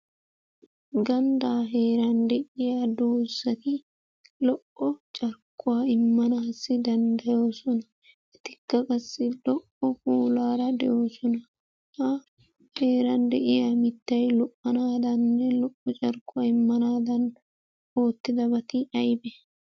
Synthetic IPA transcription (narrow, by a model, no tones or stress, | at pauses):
ɡɐnd̪aːɦe̞ːɾɐnd̪ɛʔɪjaːd̪oːsɐt̪ɪ | lɔʔːɔt͡ʃʼɐɾkːʊwaːɪmːɐnaːsɪd̪ɐnd̪ɐjo̞ːsɔnɐ | ʔɛt̪ɪkːɐkʼɐsːɪlɔʔɔfuːlaːɾɐd̪ɛʔjo̞ːsɔnɐ | hɐ | he̞ːɾɐnd̪ɛʔɪjaːmɪt̪ːɐjlɔʔɐnaːd̪ɐnːɛlɔʔːɔt͡ʃʼɐɾkːʊaːɪmːɐnaːd̪ɐn | o̞ːt̪ːɪd̪ɐbɐt̪ɪɐjbɛ